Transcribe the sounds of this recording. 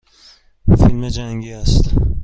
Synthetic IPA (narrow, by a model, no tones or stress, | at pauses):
filmed͡ʒæŋɡiæst̪